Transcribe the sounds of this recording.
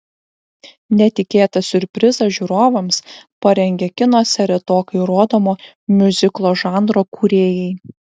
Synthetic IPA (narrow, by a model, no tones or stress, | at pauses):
nʲɛt̪ʲɪkʲeːt̪ɐsʲʊɾʲpʲɾʲɪzɐʒʲuːɾoːʋɐmspɐɾʲɛŋʲɡʲɛːkʲɪnoːsʲɛɾʲɛt̪oːkɐɪɾoːd̪oːmoː | mʲʊzʲɪklˠoːʒɑːˑnd̪ɾoːkuːɾʲeːjɛɪ